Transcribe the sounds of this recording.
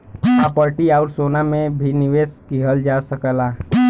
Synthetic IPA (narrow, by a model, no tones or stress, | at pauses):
apəɾʈiaʊɾsoːnamẽbʱiniʋeːskiɦəld͡ʒasəkəlaː